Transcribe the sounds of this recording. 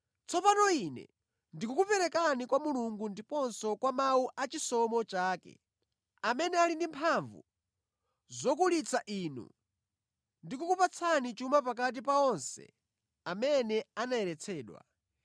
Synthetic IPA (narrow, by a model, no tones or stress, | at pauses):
t͡sɔpanɔinɛ̰ | ndikukupɛɾɛkanikwamuluŋɡundipɔnsɔkwamauʔat͡ʃisɔmɔt͡ʃaːkɛ̰ | amɛnɛalindimpʰaɱvṵ | zɔk̬ulit͡sʰaʔiːnṵ | ndikukupat͡sʰanit͡ʃumap̬ak̬at̬ipaɔnsɛ̰ | amɛnɛanaɛɾɛt͡sʰɛːɗwa̰